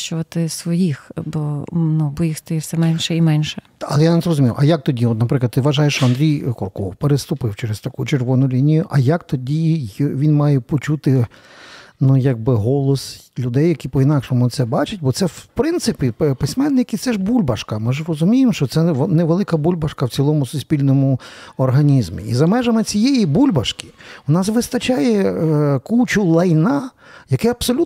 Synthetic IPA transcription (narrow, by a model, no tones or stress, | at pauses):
ʃt͡ʃʊʋɐt̪ɪsʋɔjixbɔnubɔjixst̪ɔjiwsʲɛmɛnʲʃɛimɛnʲʃɛ | ɐ̰lˠɛjanetsrɔzʊmʲijʊʔɐjak̚t̪ɔdʲiɔt̪nɐpɾɪklˠdt̪t̪ːɪʋɐʒɑjeʃt͡ʃɔɐnd̪ɾʲijkɔrkɔ̰wpeɾest̪ʊpɪwt͡ʃɛɾest̪ɐkujt͡ʃerʋɔnʊlʲinʲijʊʔɐjɐkt̪ɔdʲijʋʲinmɑjɛpɔt͡ʃut̪ɪ | nujɐɡ̚bɪɦɔlˠɔslʲʊd̪ɛjːɐkʲipɔinɑkʃɔmʊt̪sɛbɑt͡ʃɪt̚ʲbɔt̪sɛwpɾɪnt̪sɪpʲipɪsʲmɛnːɪkit̪sɛʒbulʲbɐʃkɐmɪʒrɔzʊmʲijɪmʃt͡ʃɔt̪sɛneʋelˠɪkɐbulʲbɐʃkɐwt͡sʲilˠɔmʊsʊsʲpʲilʲnɔmʊɔrɦɐnʲizmʲḭizɐmɛʒɐmɪt͡sʲijejibulʲbɐʃkɪ̥ʊnɑsʋɪst̪ɐt͡ʃɑjɛkuwt͡ʃʊlˠɐjnɑ | jɐkɛɐbsɔlʲu